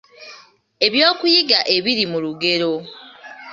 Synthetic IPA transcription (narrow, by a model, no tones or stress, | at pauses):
e̞βjo̞ːkujiɡaʔe̞βiɾimuluɡe̞ɾo̞